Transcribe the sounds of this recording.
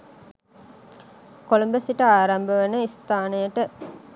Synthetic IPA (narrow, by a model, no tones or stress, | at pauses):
kolumbəsiʈəaːɾambəʋənəist̪aːnəjəʈə